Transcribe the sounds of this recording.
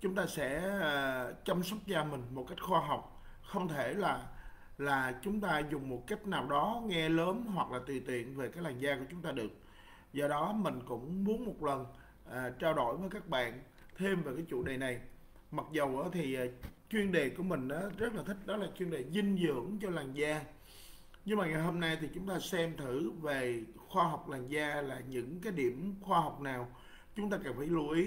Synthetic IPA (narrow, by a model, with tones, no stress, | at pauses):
t͡ɕʊ˨˦ŋ͡mt̪aː˧sɛ̰˧˥əː˨˩t͡ɕə˧msa˦˥wk͡p̚zaː˧mï˨˩ŋ̟mo˨˩t̚ka˦˥jk̚xwaː˧ɦa˨˩wk͡p̚ | xə˧wŋ͡mt̪ʰe˧˩laː˨˩ | laː˨˩t͡ɕʊ˨˦ŋ͡mt̪aː˧zʊ˨˩ŋ͡mmo˨˩t̚ka˦˥jk̟̚naː˨˩wɗɔ˨˦ŋɛ˧ləː˨˦mɦwa˨˩k̚laː˨˩t̪wi˨˩t̪wḭ˧˨ənve˨˩kaː˨˦jlaː˨˩ŋzaː˧ku˧˩ət͡ɕʊ˨˦ŋ͡mt̪aː˧ɗɨ˨˩ək̚ | zɔ˧ɗɔ˨˦mï˨˩ŋ̟kʊ̰˧˥ŋ͡mmu˨˦ənmo˨˩t̚lə˨˩n | ʔəː˨˩t͡ɕaː˧wɗo̰˧˩jvəː˨˦jkaː˦˥k̚ɓa̰ː˧˨n | t̪ʰe˧mveː˨˩kaː˨˦jt͡ɕṵ˧˩ɗe˨˩na˨˩j | ma˨˩t̚zə˨˩wʔaː˨˦t̪ʰi˨˩ʔːt͡ɕwi˧ənɗe˨˩ku˧˩əmï˨˩ŋ̟ʔaː˨˦zə˦˥t̚laː˨˩t̪ʰï˦˥k̟̚ɗɔ˨˦laː˨˩t͡ɕwi˧nɗe˨˩zï˧ŋ̟zɨ̰˧˥əŋt͡ɕɔ˧laː˨˩ŋzaː˧ | ɲɨ˧ŋmaː˨˩ŋa˨˩jɦo˧mna˧jt̪ʰi˨˩t͡ɕʊ˨˦ŋ͡mt̪aː˧sɛ˧mt̪ʰɨ˧˩ve˨˩xwaː˧ɦwk͡p̚laː˨˩ŋzaː˧laː˨˩ɲɨ̰˧˥ŋkaː˨˦jɗi˧˩əmxwaː˧ɦa˨˩wk͡p̚naː˨˩w | t͡ɕʊ˨˦ŋ͡mt̪aː˧ka˨˩nfaː˧˩jlu˧˩ʔi˨˦